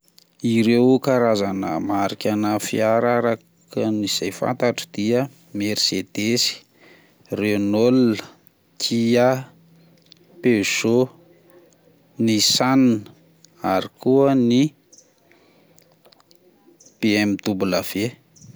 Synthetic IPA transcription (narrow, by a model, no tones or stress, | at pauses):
iɾewkaɾazanə̰maɾikʲanəfiaɾaɾa | kəniz̥ajfa̰nt̪aʈ͡ʂəd̪̥iə | meɾsed̪esi̥ | reonol | kʰia | peso | nisannə | aɾikuəni | peɛmit̪ubulav̥e